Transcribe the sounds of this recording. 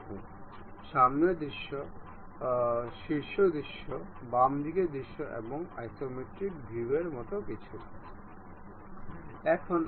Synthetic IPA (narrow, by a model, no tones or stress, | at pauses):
ʃamned̪ɾiʃːo | ʃiɾʃod̪iʃːo | bamd̪ʱiked̪ɾiʃːoʔḛboŋa̰jt̪omeʈɾik̚bʱibeɾmɔt̪okit͡ɕʰu | ɛkʰon